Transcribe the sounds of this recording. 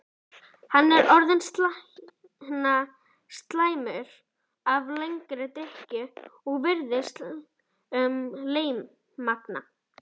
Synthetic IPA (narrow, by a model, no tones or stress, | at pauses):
hanːɛɾɔɾðʏns | na | st̪laːjmʏɾ̥ | avlejŋkɾɪt̪ɪhcʏɔɣvɪɾðɪs | ʏmleːjmː | akna̰